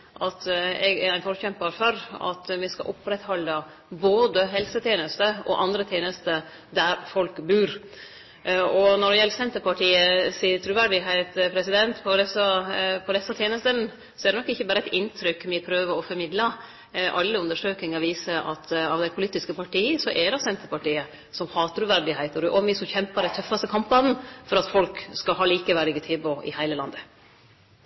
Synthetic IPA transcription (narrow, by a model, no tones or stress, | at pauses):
ʔɑt̪ɛɡɛɾæɪnfɔɾçɛmpɑɾfɔɾɑ̰t̪ʋɪskɑ̰ʔʊpːɾɛt̪hɔlːə | boːd̪əɦɛlsət̪ʰjeːnəst̪əʔɔ̰ʔɑnd̪ɾət̪ʰjeːnəst̪ə | d̪æɾfɔlkbʉːɾ | ɔnɔɖɛjɛlːəɾsɛnt̪əɾpɑʈʰiːəsiːət̪ʰɾʉʋæɾɖɪɦæɪt̪pʰɾɛsɪd̪ɛnt̪pʰɔd̪ɛsəpʰɔd̪ɛsɑt̪ʰjeːnəst̪ən | sɔɛɾd̪ɛnɔkːɪçːəbæːɾəæɪt̪ɪnt̪ʰɾʏkːmɪpʰɾøːʋəɔfɔɾmɪd̪lə | ʔɑ̰lːəʉnd̪əʂøːknɪŋɑʋiːsəʔɑt̪ɑʋd̪æɪpʰʊliːt̪ːɪskəpʰɑʈiːəsɔʔɛd̪ɑsɛnt̪əɾpɑʈiːə | sɔmhɑːt̪ʰɾʉʋæɾɖɪɦæɪt̪əɾʉʔɔmʋɪsɔçɛmpəɾæɪt̪ʰœfːɑst̪əkʰɑmpbɑd̪n̩fɔɾɑt̪fɔlkskɑlɦɑːliːkəʋæɾɪɡət̪ʰɪːboʔɪ̰hæɪləlɑ̰nd̪ə